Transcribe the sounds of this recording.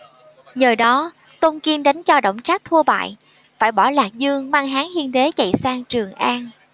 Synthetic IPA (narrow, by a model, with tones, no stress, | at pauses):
ɲəː˨˩ɗɔ˨˦ | t̪o˧nki˧nɗa˨˦jŋ̟t͡ɕɔ˧ɗə̰˧˨wŋ͡mt͡ɕaː˦˥k̚t̪ʰu˧əɓa̰ː˧˨j | faː˧˩jɓɔ˧˩laː˨˩k̚zɨ˧əŋmaː˧ŋɦaː˨˦ŋhi˧ənɗe˨˦t͡ɕə̰˧˨jsaː˧ŋt͡ɕɨ˨˩əŋʔaː˧n